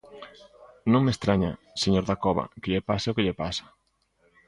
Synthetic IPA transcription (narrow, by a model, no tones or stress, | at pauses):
nõŋmest̪ɾaɲa | seɲoɾðakɔβɐ̰kɪʎepasɪʊkɪʎepasɐ̥